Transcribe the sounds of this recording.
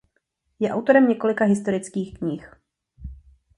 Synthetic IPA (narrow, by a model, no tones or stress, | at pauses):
jɛʔawt̪o̞ɾɛmɲɛko̞lɪkaɦɪst̪o̞ɾɪt͡skiːxkɲɪx